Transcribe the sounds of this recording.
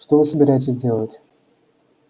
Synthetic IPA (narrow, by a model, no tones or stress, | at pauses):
ʂt̪ovɨsəbʲɪɾajɪtʲɪzʲdʲe̞lˠətʲ